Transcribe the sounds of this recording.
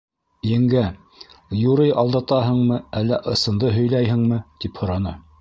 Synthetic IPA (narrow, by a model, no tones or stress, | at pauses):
jɘ̆ŋɡæ | juɾɤjʔɑlˠd̪ɑt̪ɑɦɤ̆ɴmɤælːæʔɤ̆sɤ̆nd̪ɤɦɵ̆jlæjɦɘ̆ŋmɘt̪iphŏɾɑnɤ